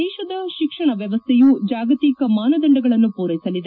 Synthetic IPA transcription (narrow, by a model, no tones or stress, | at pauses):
ɛːʃɐd̪ɐʃikʂɐɳɐʋjɐʋɐst̪ʰɛjud͡ʒaːɡɐt̪ikɐmaːnɐd̪ɐɳɖɐɡɐɭɐnːupuːɾɐjisɐlid̪e